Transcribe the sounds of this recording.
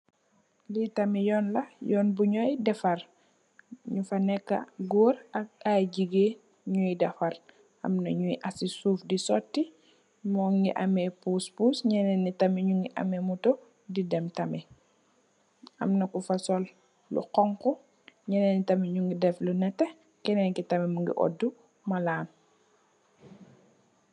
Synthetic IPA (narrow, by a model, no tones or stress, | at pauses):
litɐmijɔːnlɐjɔːnbuɲɔjdɛfɐr | ɲufɐnɛkːɐ̰ɡuːɾɐk̚aɟiɡe | ɲujidɛfɐl | ʔɐ̰mnɐɲujiʔɐsisuːfdisɔtːi | mɔːŋɡiʔɐmɛpuːspuːsɲɛnɛnitɐmiɲuŋɡiʔɐ̰mɛmuto | didɛmtɐmɛ | ʔɐ̰mnɐkufɐsɔl | lṵqɔŋku | ɲɛnɛnitɐmiɲuŋɡidɛflunɛtːɛ | kɛnɛŋkitɐmɛmuŋɡḭʔɔ̰dːu | mɐlaːn